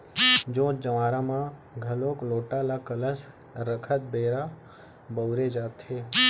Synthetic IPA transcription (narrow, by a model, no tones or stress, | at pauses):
d͡ʒõːt͡ʃd͡ʒəʋaːɾãmãɡʱəlõːkloːʈalakələs | ɾəkʰət̪̚beːɾa | bəwɾed͡ʒaːt̪ɦeː